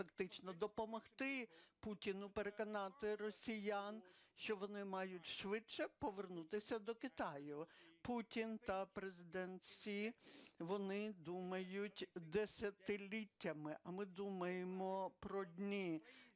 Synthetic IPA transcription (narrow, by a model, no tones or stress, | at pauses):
fɐkt̪ɪt͡ʃnɔd̪ɔpɔmɔxt̪ɪputʲinʊpeɾe̞kɔnɑt̪ɪrɔsʲijanʃt͡ʃɔʋɔnɪmɑjʊtʲʃʋɪt͡ʃɛpɔʋernut̪ɪsʲɐd̪ɔkɪt̪ɑjʊputʲint̪ɐpɾezɪd̪ɛnsʲiʋɔnɪd̪umɐjʊtʲd̪esʲɐt̪ɪlʲitʲːɐmɪʔɐmɪd̪umɐjemɔpɾɔdʲnʲi